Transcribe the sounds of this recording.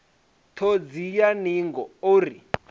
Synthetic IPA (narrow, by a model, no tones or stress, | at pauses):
tʰod͡zijaniŋɡɔoɾi